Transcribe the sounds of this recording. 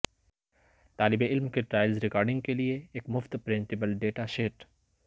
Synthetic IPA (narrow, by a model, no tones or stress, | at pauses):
t̪aːlɪbeɪlmkeʈɾaːɪlzɾɪkaːɾɖɪ̃ŋɡ̚kelieeːkmʊft̪pɾɪ̃nt̪ɪbəlɖeːʈaʃeːʈ